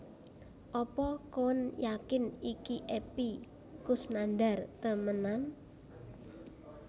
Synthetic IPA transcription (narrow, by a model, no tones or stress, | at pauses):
ʔɔpɔkoənjakɪnikiʔepi | kʊsnanɖa̤rt̪əmənan